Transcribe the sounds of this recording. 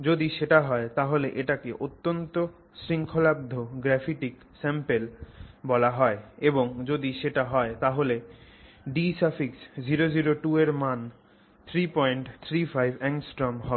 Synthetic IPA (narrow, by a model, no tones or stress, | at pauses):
d͡ʑod̪iʃeʈaɦɔet̪aɦoleʔeʈakeʔot̪ːont̪o | ʃɾiŋkʰolab̚d̪ʱoɡɾɛfiʈik | sɛmpelbɔlaɦɔeeboŋd͡ʑod̪iʃeʈaɦɔet̪aɦole | ɖisafiksd͡ʑiɾod͡ʑiɾoʈueɾman | t̪ʰɾipɔjɳʈt̪ʰɾifʰajbʱɛŋsʈɾɔmɦɔbe